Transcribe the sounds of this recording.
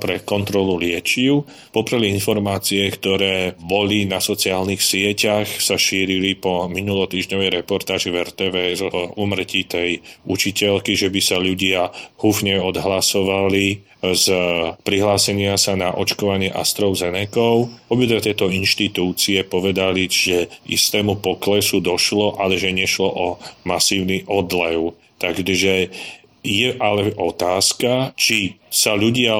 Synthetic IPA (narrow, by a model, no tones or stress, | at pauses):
pɾɛkɔnt̪ɾɔlulɪɛt͡ʃiʊ | pɔpɾɛliinfɔɾmaːt͡siɛkt̪ɔɾɛːbɔlinasɔt͡siaːlnixsɪɛcaxsaʃiːɾilipɔminulɔt̪iːʒɲɔʋɛjɾɛpɔɾt̪aːʒivɛɾt̪ɛːʋɛːɛzuːmr̩cit̪ɛjut͡ʃicɛlkiʒɛbisaʎuɟɪahufɲɛɔd̪ɦlasɔʋali | zpɾiɦlaːsɛɲɪasanaʔɔ̰t͡ʃkɔʋaɲɪɛʔa̰st̪ɾɔʊzɛnɛkɔʊɔbid̪ʋɛt̪ɛjt̪ɔinʃt̪it̪uːt͡siɛpɔʋɛd̪aliʒɛḭst̪ɛːmupɔklɛsud̪ɔʃlɔʔalɛʒɛɲɛʃlɔʔɔmasiːʊniʔɔd̪lɛʊ | t̪aɡʒɛ | jɛʔalɛʔɔt̪aːskat͡ʃisaʎuɟɪa